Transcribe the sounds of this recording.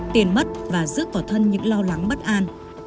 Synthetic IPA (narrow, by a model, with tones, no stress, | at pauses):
t̪i˨˩ənmə˦˥t̚vaː˨˩zɨ̰˦˥ək̚vɔː˧˩t̪ʰə˧nɲɨ̰˧˥ŋlɔ˧wla˨˦ŋɓə˦˥t̚ʔaː˧n